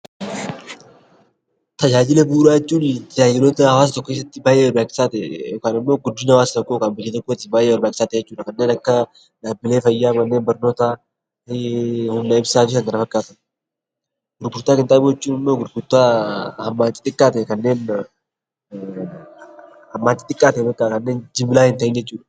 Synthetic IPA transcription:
t̪ɐd͡ʒaːd͡ʒɪlɛbuːɾaːt͡ʃːuːnt̪ɐd͡ʒaːd͡ʒɪloːt̪ɐhɐwaːs̬ɐt̪ɔkːɔkes̬ːɐt̪ːɪbaːjeːwɐɾbaːkʼːɪ̥saːt̪ɛjoːkaːnɪmːo̞ːɡʊd̪ːɪnɐwaːsɐt̪ɔkːokaːnbɐjːet̪ɔkːot̪ːɪbaːjewɐɾbaːkɪ̥saːt̪ɛjɛt͡ʃːuːᶑɐkɐnːeːnɐkːɐ | d̪aːbɪleːfɐjːaːmɐnːe̞ːnbɐɾno̞ːt̪a | hʊmnɐɪbsaːt̪ɪsɐŋɡɐnɐfɐkːaːt̪ɐn | ɡ̥ʊɾɡʊɾt̪aːkɪnt̪ʼaːbuɛt͡ʃːuːnɪmːoːɡʊɾɡʊɾt̪aːhɐmːaːnt̪ːɪt̪ʼɪkʼːaːt̪ɛkɐnːe̞ːn | hɐmːaːnt͡ʃ̪ːɪt̪ʼɪkʼːaːt̪ɛɛbɐkʼːaːkɐnːe̞ːnd͡ʒɪmɪlaːhɪnt̪ɐɪnd͡ʒɛt͡ʃːuːᶑɐ̥

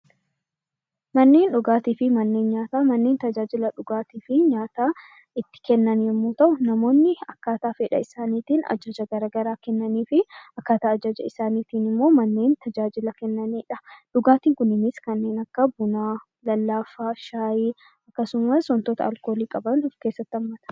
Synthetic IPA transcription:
mɐnːe̞ːnᶑʊɡaːt̪iːfɪmɐnːe̞ːnɲaːt̪aːmɐnːe̞ːnt̪ɐd͡ʒaːd͡ʒɪlɐᶑʊɡaːt̪iːfɪɲaːt̪aː | ɪt̪ːɪ̥kɛnːɐniɪmːo̞ːt̪ɐʔʊnɐmo̞ːnːɪɐkːaːt̪aːfɛᶑɐ̰ɪsaːniːt̪iːnɐ̰d͡ʒɐd͡ʒɐɡɐɾaːɡɐɾaːkɛnːɐniːfɪɐkːaːt̪aːɐd͡ʒɐd͡ʒɐ̰ɪsaːniːt̪iːnɪmːo̞ːmɐnːe̞ːnt̪ɐd͡ʒaːd͡ʒɪlɐkɛnːɐniːᶑɐ̥ᶑʊɡaːt̪iːŋkʊnɪnɪskɐnːe̞ːnɐkːɐbʊnaː | lɐlːaːfaːʃaːjiː | ɐkːɐsʊmɐsɔnt̪ɔt̪ɐɐlko̞ːliːkʼɐbɐnɔfkeːsːɐt̪ːɪɐmːɐt̪ɐ̥

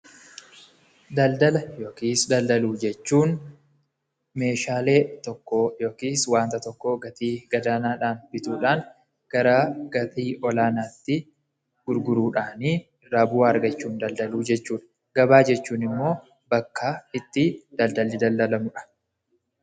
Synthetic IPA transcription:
d̪ɐld̪ɐlɐjo̞ːkiːsd̪ɐld̪ɐluːd͡ʒɛt͡ʃːuːn | me̞ːʃaːle̞ːt̪ɔkːoːjo̞ːkiːswaːnt̪ɐt̪ɔkːoːɡɐt̪iːɡ̥ɐd̪aːnaːᶑaːnbɪt̪uːᶑaːŋ | ɡ̥ɐɾaːɡ̥ɐt̪iːʔɔlaːnaːt̪ːɪ | ɡ̥ʊɾɡʊɾuːᶑaːniː | ɪrːaːbʊwaːɐɾɡɐt͡ʃːuːnd̪ɐld̪ɐluːd͡ʒɛt͡ʃːuːᶑɐ̥ | ɡɐbaːd͡ʒɛt͡ʃːuːnɪmːo̞ː | bɐkːaːɪt̪ːɪd̪̥ɐld̪ɐlːɪd̪ɐld̪ɐlɐmʊᶑɐ̥

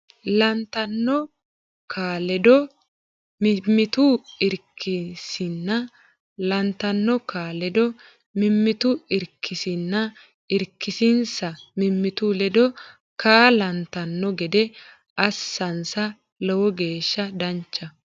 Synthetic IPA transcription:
lɐnt̪ɐnːɔ | kʰaːlɛd̪ɔ | mɪmːɪt̪uɪɾkʰːɪsɪnːɐ | lɐnt̪ɐnːɔkʰaːlɛd̪ɔ | mɪmːɪt̪ʊɪɾkʰːɪsɪnːɐ | ɪɾkːɪsɪnsɐmɪmːɪt̪ulɛd̪ɔ | kaːlɐnt̪ɐnːɔɡɛd̪ɛ | ʔɐsːɐnsɐ | lɛwɔɡe̞ːʃːɐd̪ɐnt͡ʃːɐ

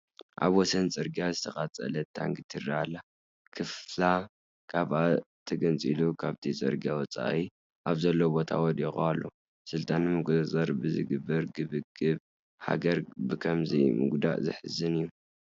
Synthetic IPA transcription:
ʔa̰βwɔsɐnt͡sʼɨɾɡijazɨt̪ʰɐχʼat͡sʼɐ̰lɐt̪ʰa̰ŋɡɨt̪ʰɨraalːa | kʰɨfla | kʰaβʔa | t̪ʰɐɡɨnt͡sʼilukʰaβt̪ʰit͡sʼɨ̰ɾɡjawɔt͡sʼa̰ʔi | ʔaβzɐlːobo̞t̪ʰa̰wɔd̪ixṵalːo | sɨlt̪ʰʼanːɨmɨɡzɐzɐɾbɨzɨ̰ɡɨbːɐɾɡɨβɨɡʼɨβ | ha̰ɡɐɾbɨkʰɐmzimɨ̰ɡd̪a̰ʔzɨħɨzɨnɨjːu

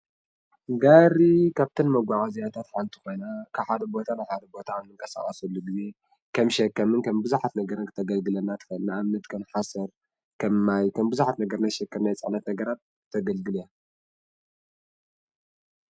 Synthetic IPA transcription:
ɡaɾikʰaβt̪ʰɨnmɐɡʷaʕazijat̪ʰat̪ħant̪ʰiko̞jnakʰaβħad̪ɐbo̞t̪ʰanajħad̪ɐbo̞t̪ʰaːmnɨŋkʼɐsa̰χʼɐsɐlːuɡize̞ | kʰɐmʃɐkːɐmɨnkʰɐmbɨzuħat̪nɐɡɐɾɨnkʰɨt̪ʰɐɡɐlɡɨlɐnat̪ʰɨ̥fɐlnɨʔamnɐt̪kʰɐmħasɐɾ | kʰɐmːajkʰɐmbɨzuħat̪nɐɡɐɾnajʃɛkːɐɾnajt͡sʼɨ̰ʕnɐt̪nɐɡɐɾat̪̚ | t̪ʰɐɡɐlɡɨlja

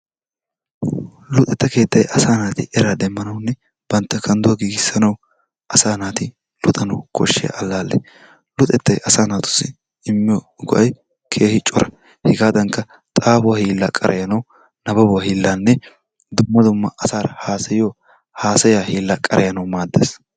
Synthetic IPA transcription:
lʊt̪ʼɛt̪ːɐke̞ːt̪ːɐjʔɐsaːnaːt̪ɪʔɛɾaːd̪ɛmːɐnɐwʊnːɛ | b̥ɐnt̪ːɐkɐnd̪ʊɐɡiːɡɪsːɐnɐw | ʔɐsaːnaːt̪ɪ | lʊt̪ʼɐnɐwkʰɔ̰ʃːɪj̰ʔɐlːaːlːɛ̰ | lʊt̪ʼɛt̪ːɐjʔɐsaːnaːt̪ʊ̥sɪ | ɪmːɪjo | ɡɔ̰ʔɐj | kʰe̞ːhɪt͡ʃʼːɔɾɐ | hɪɡaːd̪ɐŋkɐ | t̪ʼaːfʊwɐhiːlːaːkʼɐ̰ɾʔɐ̰jɐnɐw | nɐbɐbʊwɐhiːlːaːnːɛ | d̪ʊmːɐd̪ʊmːɐʔɐsaːɾɐhaːsɐjo | haːsɐjaːhiːlːaːkʼɐɾʔɛjɐnɐwmaːd̪ːḛːs

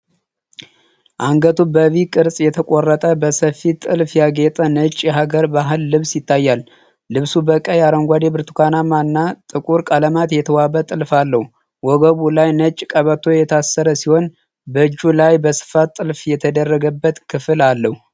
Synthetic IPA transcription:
ʔaŋɡət̪ʰubəβikʼɨɾsʼjɛt̪ʰəkʷʼorːət̪ʼəbəsəfit̪ʼɨlfjaɡet̪ʼənət͡ʃʼːjɛɦaɡəɾbaɦɨlːɨβsjɪt̪ʰːajːalː | ɨβsubəkʼəjaɾəŋɡʷad̪ebɨɾt̪ʰu̥kʰanamanːat̪ʼɨkʼuɾkʼaləmat̪jɛt̪ʰəwabət̪ʼɨlfalːəhu | wɔɡəβulajnət͡ʃʼːkʼəβət̪ʰːo̞jɛt̪ʰasːəɾəsiho̞n | bəɨd͡ʒːulajbəsɨ̥fat̪ʼːɨlfjɛt̪ʰəd̪ərːəɡəbːət̪kʰɨfɨlalːəhu

